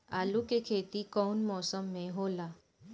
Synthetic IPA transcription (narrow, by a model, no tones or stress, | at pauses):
alukekʰet̪ikɔwnmɔsəmːeɦola